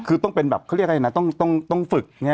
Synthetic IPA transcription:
kʰɯː˧t̪ɔ˥˩ŋpe˧nbɛ̰ː˨˩p̚kʰɾi˥˩k̚ʔa˧˨na˦˥˩t̪ɔ˥˩ŋt̪ɔ˥˩ŋt̪ɔ˥˩ŋfɯ˨˩k̚ŋi˦˥

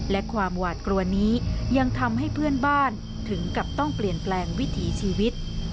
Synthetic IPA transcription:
lɛ˦˥kʰwaː˧mwaː˨˩t̪̚kɾu˧ɐniː˦˥ja˧ŋt̪ʰa˧mɦa˥˩jpʰɯ˥˩ənbaː˥˩n | t̪ʰɯ˩˦ŋka˨˩p̚t̪ɔ˥˩ŋpli˨˩ənplɛː˧ŋwi˦˥t̪ʰiː˩˦t͡ɕʰiː˧wi˦˥t̪̚

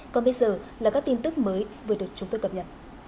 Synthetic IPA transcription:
kɔ˨˩nɓə˧jzəː˨˩laː˨˩kaː˦˥k̚t̪i˧nt̪ɨ˦˥k̚məː˨˦jvɨ˨˩ɗɨ˨˩ək̚t͡ɕʊ˨˦ŋ͡mt̪o˧jkə˨˩pɲə̰˨˩t̚

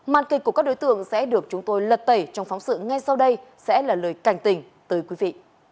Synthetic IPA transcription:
ma̰ː˧˨nki˨˩k̚ku˧˩kaː˦˥k̚ɗo˨˦jt̪ɨ̰˧˨əŋsɛ̰˧˥ɗɨ˨˩ək̚t͡ɕʊ˨˦ŋ͡mt̪o˧jlə˨˩t̚t̪ə˧˩jt͡ɕɔ˧wŋ͡mfɔ˨˦wŋ͡msɨ̰˧˨ŋa˧jsa˧wɗə˧jsɛ̰˧˥laː˨˩ləː˨˩jka˧˩jŋ̟t̪ï˨˩ŋ̟ | t̪əː˨˦jkwi˨˦vḭ˧˨

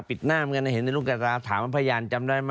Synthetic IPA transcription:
pi˨˩t̪̚naː˥˩mka˧na˧˩he˩˦nːa˧luː˥˩ka˧taː˧t̪ʰaː˩˦ma˦˩pʰaː˧jaː˧nt͡ɕa˧mdaː˥˩jm

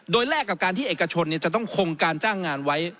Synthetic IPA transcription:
doː˧jlɛː˥˩kːa˨˩p̚kaː˧nt̪iː˥˨e˨˩ka˧t͡ɕʰo˧nːi˥˩t͡ɕa˨˩t̪ɔ˥˩ŋkʰo˧ŋkaː˧nt͡ɕaː˥˩ŋːaː˧nwa˦˥j

